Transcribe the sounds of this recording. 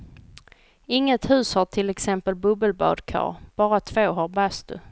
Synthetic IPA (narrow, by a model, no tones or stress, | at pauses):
ɪŋːət̪hʉ̟ːshaʈʰɪlɛksɛmpəlbɵbəlbɑ̰ːd̪kʰɑ̰ːɾb̥ɑːɾat̪ʰv̥oːɦaɾbast̪ɵ̰